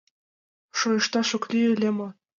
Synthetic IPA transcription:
ʃojɤ̆ʃt̪ɑʃŏklʲiɘlʲemo

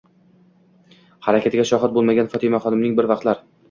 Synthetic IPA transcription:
haɾakʰʲat̪ɪɡʲaʃɒɦat̪̚bolˠmaɡʲanfɒt̪ʰɪmaχɒd̪ɪmnɪŋbɪɾvɑqt̪laɾ

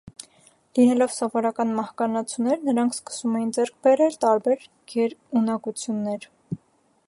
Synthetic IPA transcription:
linɛlɔvsɔvɔɾɑkɑnmɑhkɑnɑt͡sʰunːɛɾnəɾɑŋkʰskə̥sumɛjind͡zɛɾk̚ʰbɛɾɛlt̪ɑɾbɛɾ | ɡ̥ɛɾunɑkut͡sʰjunːɛɾ

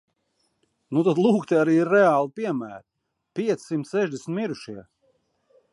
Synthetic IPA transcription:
nut̪ad̪lˠuːkt̪eaɾiːiɾːɛaːlˠipiɛmæːɾ | pʲiɛt̪sʲsimt̪sɛʒd̪ʲesnt̪ʲmiɾuʃiɛ

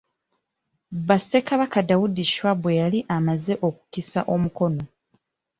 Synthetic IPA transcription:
βase̞kaβakadawudiʃwabwe̞jaliʔamaze̞ʔo̞ku̥kisaʔo̞muko̞no̞

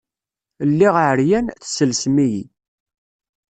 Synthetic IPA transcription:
lːiʁʕəɾjænθsəlsmijḭ

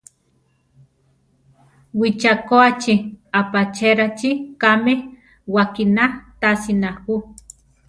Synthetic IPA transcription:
wit͡ʃakoat͡ʃiapat͡ʃeɾat͡ʃikameh | wakinat̪asinahu

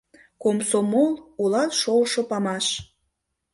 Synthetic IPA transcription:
komsomolˠulɑt̪ʃolʃopɑmɑʃ

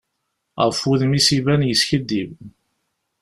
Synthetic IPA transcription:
ʁəfuðmisivænjəsçəd̪ːiv

